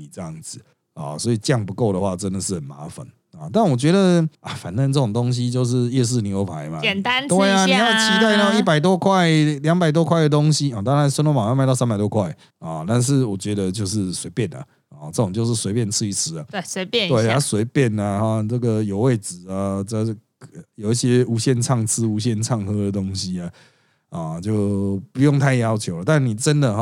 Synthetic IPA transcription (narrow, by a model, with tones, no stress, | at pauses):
ʈ͡ʂə˥˧jɑ˥˩ŋd͡z̩˨˩ | ɔ̰˨˩swɔ˧˥i˨˩t͡ɕjɑ˥˨˩ŋpu˧˦ko˥˩ʊɾə˨xwa˥˩ʈ͡ʂə˦nd̪ə˨ʂɻ̩˥˩hə˨˩nma̰˧˥fə̰˨˩n | ɔ˨˩t̪a˥˩nwɔ˨˩t͡ɕɥɛ˧˥d̪ə˨a˨˩fa˨˩nt̪ə˥˧nʈ͡ʂə˥˩ʈ͡ʂʊ˨˩ŋt̪o˥ŋɕ̬i˦t͡ɕjo˥˧ʊʂ̬ɻ̩˥˧jɛ˥˧ʂ̬ɻ̩˥˨ni˨˩o˧˥ʊpʰa˨˧˨ma̰˨ɛ˨˩nt̪a˦nt̪e˥˧˥ɪa˨ni˨˩ja˥˩ʊt͡ɕʰi˧˥t̪a˥ɪa˥˧i˥˩pa˨˩ɪt̪̬wɔ˦kʰwa˥˨ɪljɑ˦˥ŋpa˨˩ɪt̪̬wɔ˦˥kʰwa˥˩ɪdə˩t̪o˥ŋɕi˦ɔ˨˩t̪ɑ˥ŋɻa˧˦nsnwo˥˧˩ma˨˩˨ma˧˥ɪɑ˥˧ʊsa˥npa˨˩ɪt̪wɔ˥kʰwa˥˩ɪ | ɔ˨t̪a˥˧nʂ̬ɻ̩˥˩wɔ˨˩t͡ɕɥɛ˧˥d̪ə˨t͡ɕjo˥˧ʊʂɻ̩˥˩swe˧˥ɪpjɛ˥˨˩na̰˨˩ | ɔ˨˩t͡sə˥˩t͡sŋt͡ɕjo˥˧ʊʂ̬ɻ̩˥˩swe˧˥ɪpjnt͡sʰɻ̩˥˧i˥˩t͡s̩ʰ˥a˨se˧˦˥we˥ɪa˧swe˧˥ɪpjɛ˥˩na˨ɔ˥˨t͡sə˥˩ɡə˩jo˨˩ʊwe˥˩ɪt͡sɹ̩˨˩a˨ə˥˨ | jo˨˩ʊi˥˩ɕjɛ˦˥u˧˥ɕjɛ˥˧nt͡sʰɑ˥˩ŋsʰɹ̩˦u˧˥ɕ̬jɛ˥˧nt͡sʰɑ˥˩ŋxɤ˥d̪ə˨˩t̪o˥ŋɕi˦a˨ | ɔ˨˩t͡ɕjo˥˩ʊpu˧˦jɔ˥˧ŋt̪ʰa˥˩ɪjɑ˦ʊt͡ɕʰjo˧˥ʊlə˨t̪a˥˩nːi˨˩ʈ͡ʂə˦nd̪ə˨ɦɔ˨